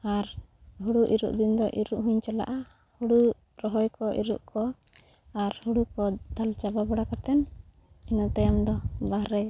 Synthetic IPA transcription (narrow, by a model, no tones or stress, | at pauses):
aɾ | ɦuɽuʔiɾṵʔd̪ind̪ɔʔiɾuʔɦuɲt͡ʃɛla̰ʔa | huɽu | ɾɔɦɔjkɔʔḭɾuʔkʰɔ | aɾhuɽukɔd̪alt͡ʃababɔɽakat̪ɛn | inɔt̪ajamd̪ɔbahɾɛ